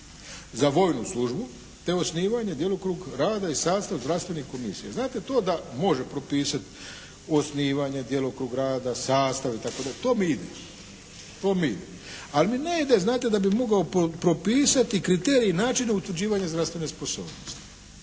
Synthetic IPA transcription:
zaʋo̞jnuslˠuʒbu | t̪e̞o̞sniːʋaɲed̪je̞lokɾuːɡɾaːd̪aisaːst̪aʋzɾast̪ʋenihko̞misijaznaːt̪e̞t̪o̞ːd̪amo̞ʒe̞pɾo̞piːsat̪ | o̞sniːʋaɲed̪jelokɾuɡɾaːd̪asaːst̪aʋit̪ako̞d̪aʎet̪o̞ːmiid̪ḛ | t̪o̞ːmiḭd̪e | almineid̪eznaːt̪e̞d̪abimo̞ɡaopɾo̞piːsat̪ikɾit̪eːɾiːnaːt͡ʃineut̪ʋɾ̩d͡ʑiːʋaɲazd̪ɾafst̪ʋe̞ne̞spo̞so̰ːbnost̪i̥

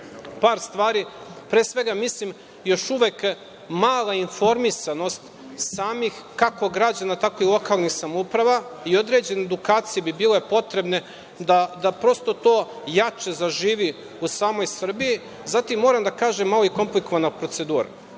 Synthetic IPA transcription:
paːɾst̪ʋaːɾipɾeːsʋe̞ɡamislim | jo̞ʃuʋek | maːlˠainfo̞ɾmisano̞st̪ | saːmixkako̞ɡɾad͡ʑanat̪akoilˠo̞kaːlˠnixsamoupɾaʋaio̞d̪ɾed͡ʑe̞need̪ukaːt̪sijebibile̞po̞t̪ɾe̞bne̞ | d̪ad̪apɾo̞st̪o̞t̪o̞ː | jat͡ʃe̞zaʒiːʋi | usaːmo̞jsr̩biji | zat̪imːo̞ɾamd̪akaːʒemːaloiko̞mpliko̞ʋanapɾo̞t̪se̞d̪uːɾa̰

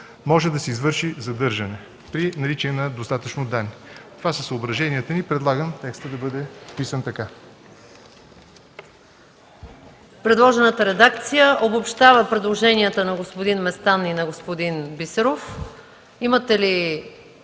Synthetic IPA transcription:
mɔʒɛd̪ɐsɛizvɤɾʃizɐd̪ɤɾʒɐnɛ | pɾinɐɾit͡ʃiɛnɐd̪ost̪at̪ət͡ʃnod̪anːit̪ovasəsəobɾɐʒɛniət̪ənipɾɛd̪lˠaɡəmt̪ɛkst̪əd̪ɐbɤd̪ɛpisənt̪ɐka | pɾɛd̪lˠɔʒɛnət̪əɾɛd̪ak̚t̪sijəʔobopʃt̪avəpɾɛd̪lˠoʒɛniət̪ənɐɡospod̪inmɛst̪aninɐɡospod̪inbisɛɾof | imət̪ɛli

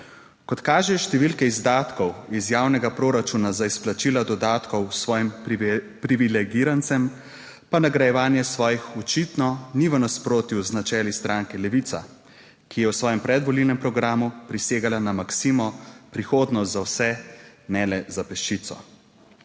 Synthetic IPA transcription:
kɔt̪kaːʒɛʃt̪ɛʋilkɛizd̪aːt̪kɔwizjaːwnɛɡapɾoːɾat͡ʃunazaisplat͡ʃilad̪ɔd̪aːt̪kɔwsʋɔːjim | pɾiʋilɛɡiɾant̪sɛm | panaɡɾajɛʋaːnjɛsʋɔːjixɔt͡ʃit̪nɔniʋənaspɾoːt̪juznat͡ʃɛːlist̪ɾʔaːŋkɛlɛʋit̪sa̰ | kijɛwsʋɔːjɛmpɾɛd̪ʋɔlilnɛmpɾɔɡɾaːmupɾiseːɡalanamaksimɔpɾixoːd̪nɔst̪zawsɛnɛlɛzapɛʃt͡ʃit̪sɔ̰

